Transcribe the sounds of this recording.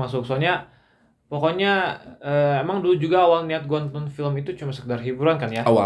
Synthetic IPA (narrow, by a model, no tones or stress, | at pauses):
masʊk̚sɔɲa | pɔkɔɲaəemaŋdulud͡ʒuɡaːwalniat̪̚ɡɔnt̪ɔnfiləmit̪ut͡ʃumansəkədarɦibuɾankanjaa